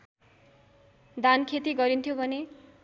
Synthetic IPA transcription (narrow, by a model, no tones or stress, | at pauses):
d̪ankʰet̪iɡʌɾint̪ʰjobʱʌne